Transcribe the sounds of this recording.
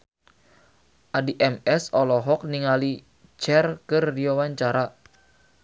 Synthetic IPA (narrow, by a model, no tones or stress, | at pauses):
ʔadiʔɛmɛsɔlɔɦɔk̚niŋali | t͡ʃɛrkɨrdiɔwaɲt͡ʃaɾa